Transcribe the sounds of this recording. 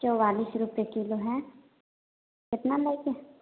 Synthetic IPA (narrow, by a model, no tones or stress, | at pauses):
d͡ʒoːʋaːlisɾuːpjekiːloɦɛ̃ | kɪt̪naləɡe